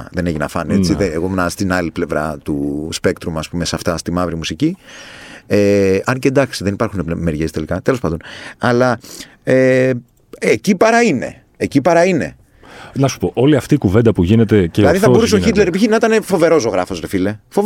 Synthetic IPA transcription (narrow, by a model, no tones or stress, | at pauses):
ðene̞çʝinɐ̰fɐniet͡siðeeɣomnɐst̪inɐliple̞vɾɐ̰t̪uspe̞kt̪ɾumɐspumesɐft̪ɐst̪imɐvɾimusici | eɐncend̪ɐksiðenipɐɾxuneme̞ɾʝest̪e̞likɐt̪e̞lo̞spɐnd̪o̞nɐlɐ | e | ecipɐɾɐine̞̰ | ecipɐɾɐine̞̰ | nɐsu̥poʔo̞liɐft̪iːkuvend̪ɐpuʝinet̪e̞ceilɐðiθɐbo̞ɾuss̬eoçit̪leɾepiçinɐit̪ɐnefo̞ve̞ɾo̞s̬o̞ɣɾɐfo̞sɾefile̞fov